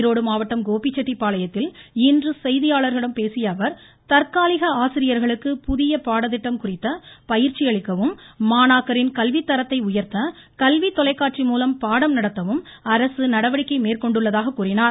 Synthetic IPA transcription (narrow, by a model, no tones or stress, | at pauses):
ɾoːɽɯmaːʋɐʈːɐmɡoːpit͡ʃːɐʈːipːaːlɐjɐt̪ːɪlɪndrɯsɛjðɪjaːɭɐɾɣɐɭɯmpeːsɪjɐʋɐɾ | t̪ɐɾkaːlɪɣɐaːsɪɾɪjɐɾɣɐɭɯkːɯpʊðɪjɐpaːɽɐðɪʈːɐmkʊrɪt̪ːɐpɐjɪɾt͡ʃːɪjɐɭɪkːɐʋɯmːaːnaːkɐɾɪnkɐlʋit̪ːɐɾɐt̪ːɐɪʊjɐɾt̪ɐ | kɐlʋit̪ːɔlɐɪkːaːʈt͡ʃrimuːlɐmpaːɽɐmnɐɽɐt̪ːɐʋɯm | ɐɾɐsɯnɐɽɐʋɐɽɪkːɐɪmeːrkɔɳɖɯɭːɐðaːɣɐkːuːrɪnaːɾ